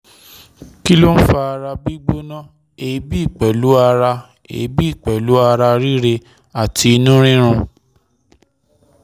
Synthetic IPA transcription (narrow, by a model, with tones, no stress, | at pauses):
ki˦lo˦n̩˦fa˧a˧ɾa˧bi˦ɡ͡bo˦nã˦ | e˨˦bi˦i˦˨k͡pɛ˨lu˨˦a˧ɾa˧ | ḛ˨˦bi˦i˦˨k͡pɛ˨lu˨˦a˧ɾa˧ɾi˦ɾe˧ | a˨tʰi˧i˧nũ˦ɾ̃ĩ˦ɾ̃ũ˧